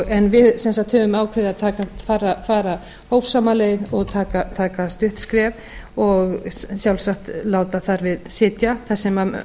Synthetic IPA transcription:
ɛnvɪðsɛnsat̪hœːvʏmaːwkʰvɛɾðɪaðt̪ʰaːkafaːɾafaːɾa | hoːwvsaːmaleːjðɔɣt̪ʰaːkat̪ʰaːkast̪ʏht̪skɾɛːv | ɔɣsjawlsaxt̪laːwt̪aθaɾvɪðsɪːt̪jaθasːɛma

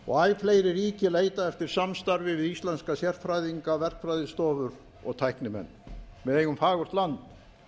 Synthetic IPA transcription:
ɔ̰ɣaːjfleːjɾɪriːcɪleːjt̪aɛft̪ɪɾ̥samst̪aɾvɪvðist̪lɛnskasjɛr̥t̪fɾajðiŋkavɛr̥fɾajðɪst̪ɔːvʏɾ | ɔ̰ɣt̪ʰajhknɪmɛ̰nːmɛðeːjɣʏmfaːɣʏr̥t̪lant̪

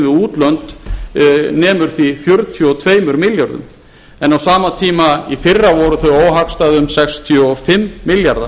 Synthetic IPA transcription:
vɪðuːt̪lœnt̪ | nɛːmʏɾ̥θifjœɾt̪ʰjɔt̪ʰveːjmʏɾmɪljaɾðʏ̰m | ɛnawsaːmat̪ʰiːmaifɪrːavɔɾʏθœɥoːwɦakst̪aðʏmsɛkst̪ʰiɔfɪmːɪljaɾða

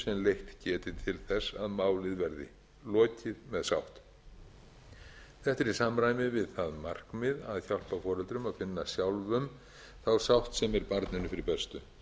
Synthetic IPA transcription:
sɛmlejht̪cɛːt̪ɪt̪ʰɪlθɛsːaðmaːwlɪðvɛɾðɪ̰ | lɔːcɪðmɛðsa̰wht̪ | θɛht̪ɛɾisamɾaːjmɪvɪðθaðmar̥kmɪðaðçal̥pafɔːɾɛlt̪ɾʏmaðfɪnːasjawlvʏm | θawsawht̪sɛmɛɾpaɾt̪nɪnʏfɪɾɪpɛst̪ʏ̰

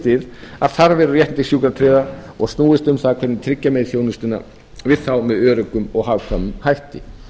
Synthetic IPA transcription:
t̪ɪða̰ð̥θaɾvɛːɾʏrjɛt̪nt̪ɪsjuːkɾat̪ʰɾɪːðaɔɣst̪nuːɪst̪ʏmθaðkʰv̥ɛɾtnɪnt̪ʰɾɪcːamɛðθjownʏst̪ɪnːa̰ | vɪðθawmɛðœːɾʏkʏmɔɣhavkʰɾamʏmhajht̪ɪ

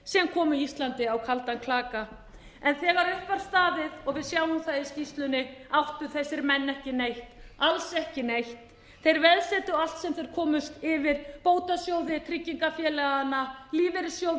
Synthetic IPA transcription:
sɛmkʰɔːmʏist̪lant̪ɪawkʰalt̪ankʰlaːka | ɛnθɛːɣaɾʏhpaɾ̥st̪aːðɪðɔɣvɪðsjaːwʏmθajðɪscist̪lʏnɪawht̪ʏθɛsːɪɾmɛnːɛhcɪnejht̪alsɛhcɪnejht̪ | θejɾvɛðsɛːt̪ʏal̥t̪sɛmθejɾ̥kʰɔːmʏst̪ɪvɪɾpoːwt̪asjoːwðɪt̪ʰɾɪcːiŋkafjɛːlɛɣaanːaliːvɛɾɪsjow

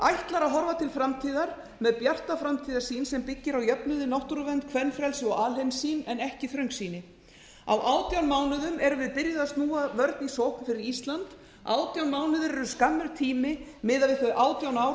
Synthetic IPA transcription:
ajht̪laɾaɦɔɾvat̪ʰɪlfɾamt̪ʰiːðaɾ̥ | mɛðpjar̥t̪afɾamt̪ʰiːðḁsiːnsɛmpɪcːɪɾawjœpnʏðɪnɔwht̪uɾʏvɛnt̪kʰvɛnfɾɛlsɪɔɣaːlejmsiːnɛnɛhcɪθɾœŋksiːnɪ | a̰wʔaːwt̪jawnmaːwnʏðʏmɛɾʏvɪðpɪɾjɪðast̪nuːavœɾt̪nisɔwhkʏfɪɾɪɾist̪lant̪ | a̰ːwt̪jawnmaːwnʏðʏɾɛɾʏskamːɪɾt̪ʰiːmɪmɪːðavɪkʏʔaːwt̪jawnaw

